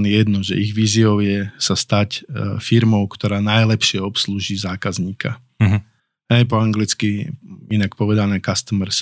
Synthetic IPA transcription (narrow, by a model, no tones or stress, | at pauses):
njɛd̪nɔʒɛ̰ʔiɣʋiːziɔʊjɛsast̪acfiɾmɔʊkt̪ɔɾaːnajlɛpʃɪɛɔpsluːʒiːzaːkazɲiːkʰa̰ | ɦɛjpɔaŋɡlit͡skiinakpɔʋɛd̪anɛːkast̪əmɛɾs